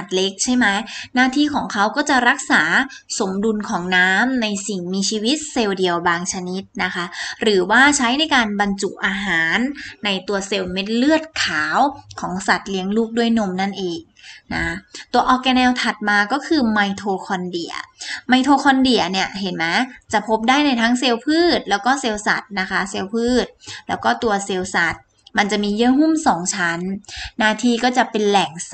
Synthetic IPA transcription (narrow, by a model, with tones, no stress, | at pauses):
a˨˩t̪̚le˦˥k̚t͡ɕʰa˥˩jma˦˥jnaː˥˩t̪ʰiː˥˩kʰɔː˩˦ŋkʰa˦˥wkɔː˥˩t͡ɕa˨˩ɾa˦˥k̚saː˩˦so˩˦mdu˧nkʰɔː˩˦ŋnaː˦˥mna˧jsi˨˩ŋmiː˧t͡ɕʰiː˧wi˦˥t̪̚se˧wdi˧əwbaː˧ŋt͡ɕʰa˧ni˦˥t̪̚na˦˥kʰa˦˥ɾɯː˩˦waː˥˩t͡ɕʰa˦˥jna˧jkaː˧nba˧nt͡ɕu˨˩ʔʔaː˧ɦaː˨˩˦nːa˧jt̪u˧ɐse˧wme˦˥t̪̚lɯ˥˩ət̪̚kʰaː˩˦wkʰɔː˩˦ŋsa˨˩t̪̚li˦˥əŋluː˥˩k̚du˥˩əjno˧mna˥˩nʔeː˨˧ŋ | na̰˦t̪u˧ɐʔɔː˧kɛː˧nɛː˧wt̪ʰa˨˩t̪̚maː˧kɔː˥˩kʰɯː˧ma˧jt̪ʰoː˧kʰɔ˧ndi˨˩ɐma˧jt̪ʰoː˧kʰɔː˧ndi˨˩ɐni˥˩ɐɦe˨˩˦nma˦˥t͡ɕa˨˩pʰo˦˥p̚daː˥˩jna˧jt̪ʰaː˦˥ŋse˧wpʰɯː˥˩t̪̚lɛː˦˥wkɔː˥˩seː˧wsa̰˨˩t̪̚na˦˥kʰa˦˥se˧wpʰɯː˥˩t̪̚lɛː˦˥wkɔː˥˩t̪u˧ɐse˧wsa˨˩t̪̚ | ma˧nt͡ɕa˨˩miː˧jɯ˧˥ɦu˥˩msɔː˨˩˦ŋt͡ɕʰa˦˥nːaː˥˩t̪ʰiː˧kɔː˥˩t͡ɕa˨˩pe˧nlɛː˨˩ŋ